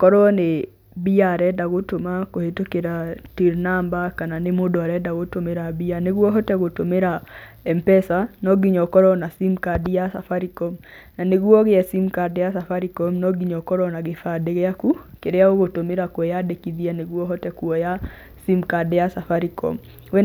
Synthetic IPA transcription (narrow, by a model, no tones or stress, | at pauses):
kɔɾɔne | biaɾɛdaɣotomakohetokeɾatiɾnambakananemodɔɾɛdaɣotomeɾabianeɡuɔɦɔtɛɣotomeɾa | ɛmpɛsanɔɡiɲɔkɔɾɔnasimkadijasafaɾikɔm | naneɡuɔɣɪjɛsimkadjasafaɾikɔmnɔɡiɲɔkɔɾɔnaɡɪfadeɣakukedejaoɡotomeɾakwɔjadekiðianeɡuɔɦɔtɛkuɔja | simkadjasafaɾikɔ̰m | we